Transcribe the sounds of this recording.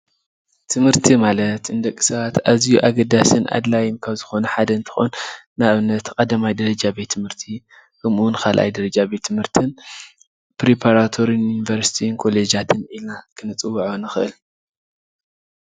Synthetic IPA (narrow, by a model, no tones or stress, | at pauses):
t̪ʰɨmhɨɾt̪ʰimalɐt̪ɨnd̪ɐkʼːi̥sɐβat̪azijuʔaɡɐd̪asɨnʔa̰d̪lajɪnkʰaβzɨxo̞nɐħad̪ɐɨnt̪ʰɨ̥xo̰nː | naβɨnːɐt̪kʼɐd̪amajd̪ɐɾɐd͡ʒabe̞t̪ʰːɨmhɨɾt̪ʰi | kʰɐmunkʰalʔa̰jd̪ɐɾɐd͡ʒabet̪ʰːɨmhɨɾt̪ʰɨn | pɾepʰaɾat̪ʰo̞ɾinjunivɐɾsi̥t̪ʰinkʰo̞led͡ʒat̪ʰɨnʔilnakʰɨnɨt͡sʼɨwːɐʕonɨxɨʔɨl